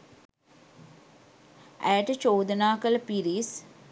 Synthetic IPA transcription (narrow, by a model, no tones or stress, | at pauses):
æ̰jəʈət͡ʃoːd̪ənaːkələpiɾis